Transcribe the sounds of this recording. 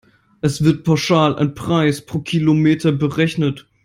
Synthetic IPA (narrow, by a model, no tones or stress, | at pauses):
ʔɛsv̥ɪɐt̚pʰaʊʃaːla̰ɪnpʁ̥aɪspʁ̥oːkʰilomeːtʰɐbəʁɛçnət